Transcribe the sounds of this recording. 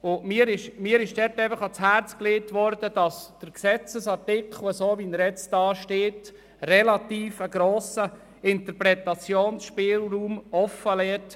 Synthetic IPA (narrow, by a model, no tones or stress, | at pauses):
ʊmiːəɾɪʃmiːɾɪʃd̥ɛɾtɛfəχɑt͡shæɾt͡skleːtʋɔɾd̥əd̥ɑsd̥əɾksɛt͡səsɑɾtɪkχl̩ˠəsoːʋiːnɾɛt͡sd̥ɑːʃteːt | rɛlɑtiːfəɡɾoːsə | ɪnt̪əɾpɾɛt̪ɑt͡sjoːnsʃpɪːlruːmɔfːəlɛːt